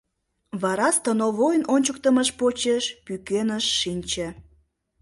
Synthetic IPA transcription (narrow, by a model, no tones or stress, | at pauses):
βɑɾɑst̪ənoβojnonʲt͡ɕək̚t̪əməʃpot͡ɕeʃpykenəʃːinʲt͡ɕĕ